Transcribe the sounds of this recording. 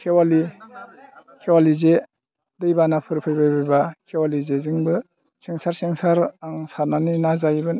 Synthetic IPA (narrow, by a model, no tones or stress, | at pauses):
kʰewali | kʰewalize | dɯjbanapʰɯɾpʰɯjbajbɯjbakʰewalizeziŋbɯ | siŋsaɾsiŋsaɾŋsaɾnaninazajbɯn